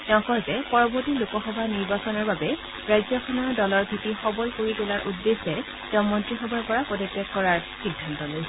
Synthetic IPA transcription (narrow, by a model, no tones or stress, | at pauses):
tɛʊ̃kɔjzɛpɔɹɔbɔɹtilʊkɔxɔbʱaniɹbasɔnɔɹbabɛ | ɹajzjɔkʰɔnɔɹdɔlɔɹbʱitixɔbɔlkoɹitulaɹʔudːesɛ | tɛʊ̃mɔntɹixɔbʱaɹpɔɹapɔdɔtːɛkɔɹaɹ | xiɡʱːantɔloj